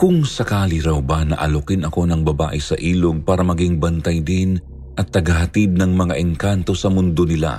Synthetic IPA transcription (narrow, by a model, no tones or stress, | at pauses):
kʊŋsɐkaːlɪɾɐwbɐnɐ̰ʔɐlokɪnɐko̞nɐŋbɐba̰ːʔɛsɐʔiːloɡ̚paːɾɐmɐɡiŋbɐnt̪ɐjd̪ɪn | ʔɐt̪ːɐɡɐɦɐt̪ɪd̪̚nɐŋmɐŋaʔɛŋkant̪o̞sɐmʊnd̪o̞nɪla̰